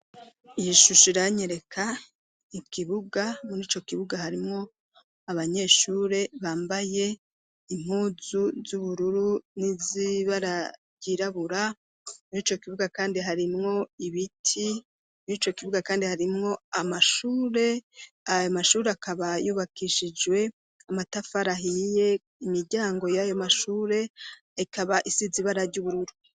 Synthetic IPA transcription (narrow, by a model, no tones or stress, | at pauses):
ijiʃuʃiɾaɲeɾe̞kʰa | ikiβuɡamuɾiːt͡ʃo̞kiβuɡahaɾimŋo̞ | aβaɲe̞ːʃuːɾe̞βaːmbaje̞ | im̥uːzuzuβuɾuɾuniziβaɾaɾɟiɾaβuɾa | muɾiːt͡ʃo̞kiβuɡakaːndiɦaɾimŋo̞iβitʰi | muiːt͡ʃo̞kiβuɡakaːndihaɾimŋo̞amaʃuːɾe̞ | ajomaʃuːɾe̞akʰaβajuːβakʰiʃid͡ʒwe̞ | amatafaɾaɦije̞ | imiɾɟaːŋɡo̞jajo̞maʃuːɾe̞ | ikʰaβaʔisiziβaɾaɾɟuβuɾuɾu